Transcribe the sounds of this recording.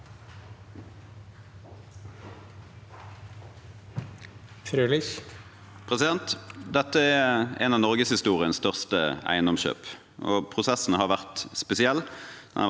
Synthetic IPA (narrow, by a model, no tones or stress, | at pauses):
fɾøːlɪç | pʰʁɛsɪd̪ɛnt̪d̪ɛt̪ːəɛɛnɑːʋnɔʁɡəshɪst̪uːʁɪənst̪œʁst̪əæ̰ɪənɔmʃø̰ːp | ʔo̰ːpʰʁʊsɛsn̩hɑːʁʋæʁt̪spɛsɪɛlːd̪̥ɛ̰nɑ